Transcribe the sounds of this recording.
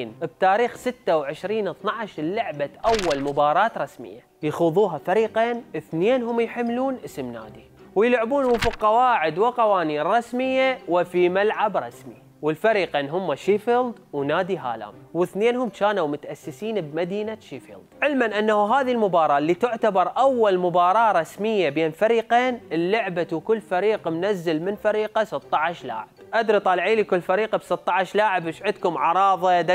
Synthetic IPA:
nb̚t̪aːɾiːxsɪt̪ːawʕɪʃɾiːnɨθnɑʕʃlʊʕbaʔawːalmʊbɑːɾˤɑːt̪ɾˤɑsmɪ̰jːa | jaxuðˤuːɦafaɾiːqeːnʔɪθneːnɦʊmːjħɪmːluːnʔɪsmna̰ːd̪i | wjɪlʕbuːnwɪfiqɑwaːʕɪd̪wɪqɑwaːniːnɾˤɑsmɪjːawɪfimalʕabɾˤɑsmi | wɪlfaɾiqenɦʊmːaʃiːfild̪wnaːd̪iɦa̰ːla̰ːmwɪθneːnhʊmt͡ʃaːnawmʊt̪ʔasːɪsiːnbmad̪iːnaʃiːfḭld̪ʕɪlmanʔanːahuɦaːðilmʊbɑːɾˤɑːʔlːit̪ʊʕt̪abɑɾˤʔawːalmʊbɑːɾˤɑːɾˤɑsmɪjːabeːnfaɾiːqeːnɪlːʊʕbawkʊlːfaɾiːqmnazːɪlmɪnfaɾiːqasɨt̪ˤːɑʕaʃla̰ːʕɪb̥ʔad̪ɾit̪ˤɑːlʕiːlikʊlːfaɾiːqabsɨt̪ˤːɑʕaʃlaːʕɪbʔɪʃʕɪd̪kʊmʕɑɾˤɑːðˤɑd̪a

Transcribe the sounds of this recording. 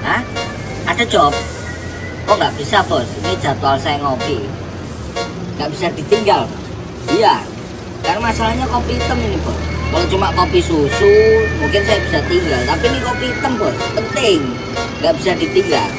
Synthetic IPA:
ah | ad̥a̤̥d͡ʒɔp̚ | kɔŋɡaʔb̥isapɔsini̥d͡ʒ̥a̤t̪ualsajaŋopi | ŋɡaʔb̥isad̥i̤t̪iŋɡal | ija | kanmasalahɲakopiːt̪əminipɔ̰wɔlɔt͡ʃumaʔkopisusumuŋkɪnsajab̥isat̪iŋɡalt̪apinikopiːt̪əmpɔspənt̪ɪŋ | ŋɡaʔb̥isadi̤t̪iŋɡal

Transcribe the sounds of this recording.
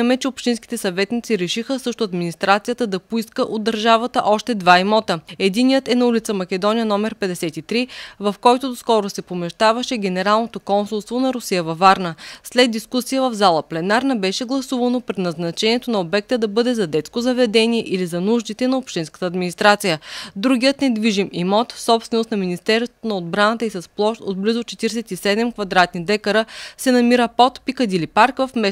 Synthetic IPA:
əmɛt͡ʃɛopʃt̪inskʲi̥t̪ɛsɐvɛt̪nit̪siɾɛʃixəsɤʃt̪ʊɐd̪minist̪ɾat̪sijət̪əd̪ɐpoiskəʔod̪ːɐɾʒavət̪əʔɔʃt̪ɛd̪vaimɔt̪əɛd̪inijət̪ɛnɐulit̪səmɐkʲɛd̪ɔnijənɔmɛɾpɛd̪ɛsɛt̪it̪ɾivɐfkɔjt̪od̪oskɔɾosɛpomɛʃt̪avɐʃɛɡ̟ʲɛnɛɾalˠnot̪okɔnsulˠst̪vonɐɾʊsijəvɐvaɾnəslɛd̪̚d̪ːiskusijəvɐvzalˠəplɛnaɾnɐbɛʃɛɡlˠɐsuvɐnopɾɛt̪nɐznɐt͡ʃɛniɛt̪onɐobɛk̚t̪əd̪ɐbɤd̪ɛzɐd̪ɛt̪skozɐvɛd̪ɛniɛʔilizɐnuʒd̪it̪ɛnɐopʃt̪inskə̥t̪ɐːd̪minist̪ɾat̪sijəd̪ɾuɡʲiət̪nɛd̪viʒimimɔt̪fsɔpst̪vɛnost̪nɐminist̪ɛɾst̪onɐod̪bɾanət̪əisɐsplˠɔʃt̪ot̪̚blizot͡ʃɛt̪iɾsɛt̪isɛd̪ɛmkvɐd̪ɾat̪nid̪ɛkəɾəsɛnɐmiɾəpɔt̪pikəd̪ilipaɾkvɐfmɛ

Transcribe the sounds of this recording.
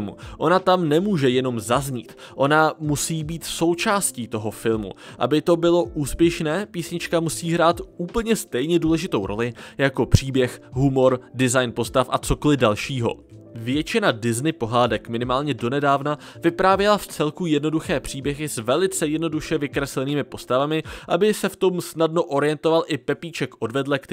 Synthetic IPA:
mṵʔo̞nat̪amnɛmuːʒɛjɛno̞mzazɲiːt̪ʔo̞namusiːbiːt̪so̞wt͡ʃaːsciːt̪o̞ɦo̞fɪlˠmṵʔa̰bɪt̪o̞bɪlo̞ʔuːspjɛʃnɛːpiːsɲɪt͡ʃkamusiːɦɾaːt̪uːpl̩ɲɛst̪ɛjɲɛduːlɛʒɪt̪o̞wɾʔo̞̰lɪjako̞pr̝̥iːbjɛxɦumo̞ɾdɪzajnpo̞st̪afʔat͡so̞ko̞lɪdalʃiːɦo̞̰ | vjɛt͡ʃɪnadɪznɪpo̞ɦaːdɛkmɪnɪmaːlɲɛdo̞nɛdaːvna | vɪpɾaːvjɛlaft͡sɛlkujɛdno̞duxɛːpr̝̥iːbjɛɦɪsvɛlɪt͡sɛjɛdno̞duʃɛvɪkɾɛslɛniːmɪpo̞st̪avamɪʔabɪsɛft̪o̞msnadno̞ʔo̞ɾɪjɛnt̪o̞valʔɪpɛpiːt͡ʃɛkʔo̞dvɛdlɛk

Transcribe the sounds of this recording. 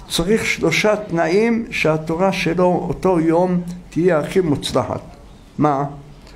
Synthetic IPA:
t͡saʁiχʃlo̞ʃat̪naimʃeat̪oʁaʃe̞lo̞oto̞jomt̪ijeaχimut͡slaħa̰t̪ | ma

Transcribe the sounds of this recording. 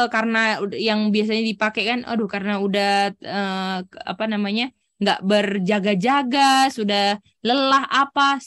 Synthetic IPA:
kaɾənajaŋbias̬aɲadipakekanʔo̰dʊhkaɾənaudahəa̰panamaɲa | ŋɡaʔbərd͡ʒaɡad͡ʒaɡasudah | ləlaɦapas

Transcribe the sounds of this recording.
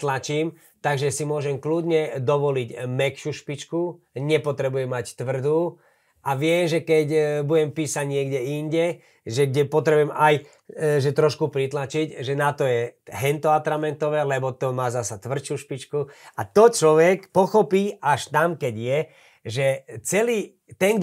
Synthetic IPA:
t̪lat͡ʃiːm | t̪aɡʒɛsimʊɔʒɛmkluːd̪ɲɛd̪ɔʋɔliɟmɛkʃuːʃpit͡ʃkuɲɛpɔt̪ɾɛbujɛmːact̪ʋr̩d̪uː | ʔaʋɪɛmʒɛkɛcbuɟɛmpiːsaɟɲɪɛɡɟɛinɟɛ | ʒɛɡɟɛpɔt̪ɾɛbujɛmaj | ʒɛt̪ɾɔʃkupɾit̪lat͡ʃicʒɛnat̪ɔjɛɦɛnt̪ɔat̪ɾamɛnt̪ɔʋɛːlɛbɔt̪ɔmaːzasat̪ʋr̩t͡ʃuːʃpit͡ʃkuat̪ɔt͡ʃlɔʋɛkpɔxɔpiːaʃt̪amkɛɟjɛ | ʒɛt͡sɛliː | t̪ɛnŋɡ̪

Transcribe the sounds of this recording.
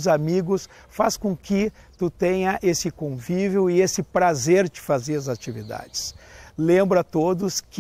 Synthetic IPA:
zamiɡʊs | faskõkɪ | t̪ut̪ẽɲɐʔesɪkõviveʊɪesɪpɾazeɾt͡ʃɪ̥fazeɾɐzat͡ʃivid̪a̰d͡ʒɪslẽmbɾɐt̪od̪ʊsk

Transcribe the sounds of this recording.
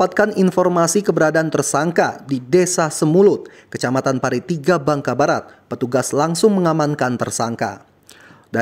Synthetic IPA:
at̪̚kaninfɔrmasikəbəɾadaant̪ərsaŋka̰didesasəmulʊt̪̚kət͡ʃamat̪anpaɾit̪iɡabaŋkabaɾat̪̚pət̪uɡaslaŋsʊŋməŋamankant̪ərsaŋka̰ | da

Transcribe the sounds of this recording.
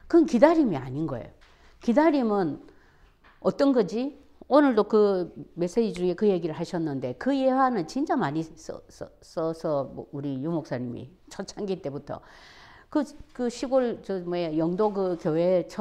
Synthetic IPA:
kɯnkidaɾimia̰ɲinɡʌ̰ḛjo | kidaɾimɯn | ʌt͈ʌnɡʌd͡ʑi | onɯɭdokɯme̞s͈ed͡ʑid͡ʑuŋe̞kɯje̞ɡiɾɯɭhaɕʰʌnːɯnde̞kɯjewanɯnt͡ɕint͡ɕ͈amaɲisʌ̰sʌ | s͈ʌsʰʌmuɾijumok̚s͈aɲimḭ | t͡ɕʰʌt͡ɕʰaŋɡit͈e̞butʰʌ̰ | kɯkɯɕʰiɡoɭt͡ɕʌmejʌŋdoɡɯkjowe̞t͡ɕʰʌ

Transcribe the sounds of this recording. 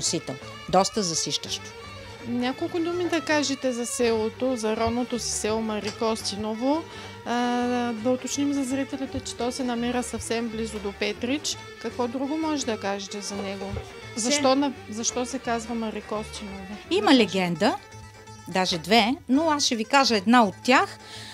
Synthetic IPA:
ʊsit̪ɛ | d̪ɔst̪əzɐsiʃt̪əʃt̪o̥ | nʲakolˠkʊd̪umid̪ɐkaʒɛt̪ɛzɐsɛlˠot̪ozɐɾɔnot̪osi̥sɛlˠomɐɾikɔst̪inovo | d̪ɐot̪ot͡ʃnimzɐzɾit̪ɛlɛt̪ɛt͡ʃɛ̥t̪ɔsɛnɐmɛɾəsɐfsɛmblizʊd̪opɛt̪ɾit͡ʃ | kɐkvɔd̪ɾuɡomɔʒɛd̪ɐkaʒɛt̪ɛzɐnɛɡo | zɐʃt̪ɔnɐzɐʃt̪ɔsɛkazvɐmɐɾikɔst̪inovoimɐlɛɡɛnd̪ə | d̪aʒɛd̪vɛnoasʃɛvikaʒəɛd̪naot̪ːjax

